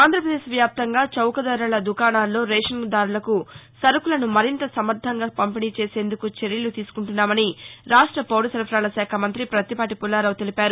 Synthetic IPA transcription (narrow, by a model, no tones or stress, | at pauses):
aːnd̪ʱɾɐpɾɐd̪eːʃʋjaːp̚t̪ɐŋɡaːt͡ʃɐwkɐd̪ɐɾɐlɐd̪ukaːnaːlːo̞ːɾeːʂɐŋɡd̪aːɾulɐkusɐɾukulɐnumɐɾint̪ɐsɐmɐɾd̪ʱɐŋɡaːpɐmpiniːt͡ʃe̞ːse̞ːnd̪ukut͡ʃe̞ɾjɐlut̪iːsu̥kuɳʈunːaːmɐniɾaːʂʈɾɐpoːɽusɐɾpʰɾaːlɐʃɛːkʰɐmɐnt̪ɾipɾɐt̪ipaːʈipulːaːɾɐwt̪elipaːɾu